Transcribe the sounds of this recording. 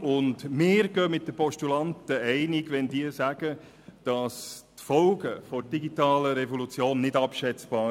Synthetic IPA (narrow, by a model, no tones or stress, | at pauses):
ʊndmɪːɾɡ̥œːmɪt̚d̥̪əpɔʃtulɑntəɛɪnɪɡʋɛndiːəsæɡ̥ə | d̥ɑstfɔlɡəfɔd̥iɡitɑːləɾɛvɔlut͡sjoːnːɪdɑpʃɛt͡sb̥ɑː